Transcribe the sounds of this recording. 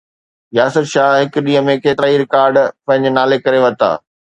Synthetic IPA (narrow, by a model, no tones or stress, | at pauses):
jaːsət̪ʃaːɦɦɪkʊɗĩːə̃mẽkeːt̪ɾaiɾɪkaːɾɖpɐ̃ɦɪ̃ɲd͡ʑɪnaːlekɐɾeʋɐt̪a̰ː